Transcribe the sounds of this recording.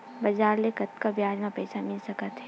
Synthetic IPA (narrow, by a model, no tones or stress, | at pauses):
bɐd͡ʒaːɾlekɐt̪kabjaːd͡ʒmãpɛːsamɪlsɐkət̪ɦɛː